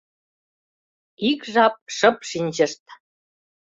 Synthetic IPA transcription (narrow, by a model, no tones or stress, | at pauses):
ikʒɑp̚ʃɤ̆p̚ʃinʲʑə̆ʃt̪